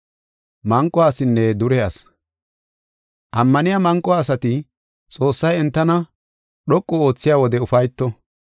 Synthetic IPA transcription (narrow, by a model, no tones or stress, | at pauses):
mɐŋkʼːɔaːsɪnːɛd̪ʊɾɛɐs | ʔɐmːɐnɪjamɐŋkʼːɔːsɐt̪ɪ | t͡sʼo̞ːsːɐjɛnt̪ːɐnɐ | ɗɔkʼːɔo̞ːt͡sːɪjaːwɔd̪ɛʊfɐjt̪ːɔ